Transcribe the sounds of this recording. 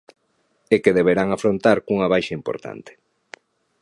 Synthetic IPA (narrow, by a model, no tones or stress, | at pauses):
ekeðeβeɾaŋafɾont̪aɾkuŋɐβajʃɐimpo̰ɾt̪a̰nt̪ɪ̥